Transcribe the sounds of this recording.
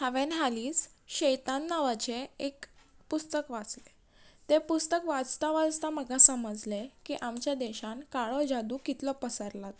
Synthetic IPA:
həʋenɦaliːs | ɕəjt̪anːaʋat͡ɕeekpust̪əkʋat͡sle | t̪epust̪əkʋad͡zt̪aʋad͡zt̪aməɡasəməd͡zlekiʔamt͡ɕjad̪eɕãnkaɭɔd͡ʑad̪uːkit̪ləpəsaɾlat̪

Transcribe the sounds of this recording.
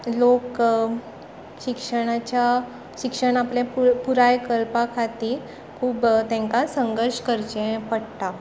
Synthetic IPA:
lok | ɕikʂəɽ̃at͡ɕa | ɕikʂəɳ̃aplẽppuɾajkəlpakʰat̪iː | kʰuːbt̪ɛ̃ŋkasəŋɡəɾʂkəɾt͡ɕẽpəɽt̪a

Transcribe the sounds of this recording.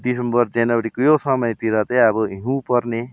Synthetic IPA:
d̪isembʌrd͡zenwʌɾikojosʌmʌjt̪iɾʌt̪eʌbʌɦiũpʌrne

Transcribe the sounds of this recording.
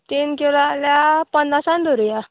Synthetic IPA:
t̪inkelaljapənːasãnd̪ʱoɾja

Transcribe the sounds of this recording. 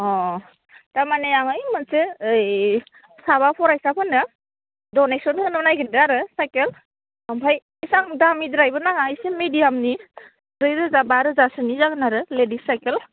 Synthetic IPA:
ɔ | tamanejaŋɯjmɯnseɯj | saβapʰɔɾajsapʰɯnɯ | dɔnesɔnɔnɯnajɡɯndɯaɾɯsajkel | ampʰaj | jsaŋdamidɾajbɯnaŋajsemedijamni | ɾɯjɾɯzabaɾɯzasɯnizaɡɯnaɾɯledisajkel

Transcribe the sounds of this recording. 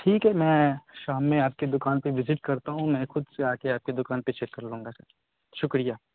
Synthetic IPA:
ʈʰiːkɦɛːmɛ̃ːʃaːmːẽaːp̚ked̪ʊkaːnpeʋɪzɪʈkɐɾt̪aɦũmɛ̃ːxʊd̪seaːkeaːp̚ked̪ʊkaːnpet͡ʃʰekːɐɾlũːŋɡasɐ̰ɾ | ʃʊkɾijaː

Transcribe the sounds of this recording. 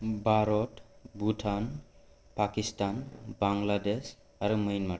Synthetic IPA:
baɾɔtbutʰan | pakistanbaŋlades | aɾuməjnma

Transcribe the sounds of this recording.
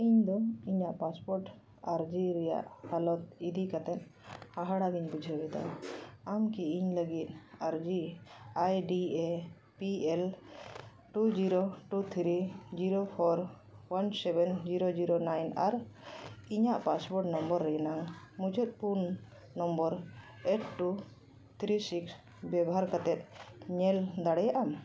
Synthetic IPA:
iɲd̪ɔiɲaʔpaspɔɾʈ | aɾd͡ʒiɾɛja̰ʔhalɔt̪̚id̪ikat̪ɛnhaɦaɽaɡiɲbud͡ʒʱəbɛt̪a̰amkiiɲləɡit̪̚ˀaɾd͡ʒiajɖie | piɛl | ʈud͡ʒiɾoʈut̪ʰɾid͡ʒiɾopʰɔɾ | wansɛbɛnd͡ʒiɾod͡ʒiɾonajna̰ɾ | iɲaʔpasbɔɖnɔmbɔɾːɛɛnaŋmud͡ʒɔt̪̚punː | ɔmbɔɾ | eʈ̚ʈu | t̪ʰɾisiks | bɛbɔɦaɾkat̪ɛt̪̚ɲɛld̪aɽɛjaʔam

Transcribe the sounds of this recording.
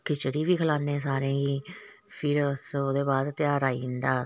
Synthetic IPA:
kʰɪt͡ʃɽiːʋiːkʰəlaːnẽːsaːɾẽːɡiː | pʰɪɾəsoːd̪eːbaːd̪t̪jaːɾaːiːnd̪aː

